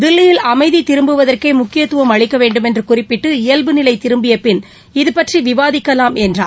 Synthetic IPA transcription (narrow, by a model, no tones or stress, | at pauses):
d̪ɪlːɪjɪlɐmɐɪðit̪ɪɾɯmbɯʋɐðɐrkɐɪmʊkːɪjɐt̪ːɯʋɐmɐɻɪkːɐʋeːɳɖɯmɛndrɯkʊrɪpːɪʈːɯɪjɐlbɯnɪlɐɪt̪ɪɾɯmbɪjɐpːɪn | ɪðɯpɐʈriʋɪʋaːðɪkːɐlaːmɛndra̰ː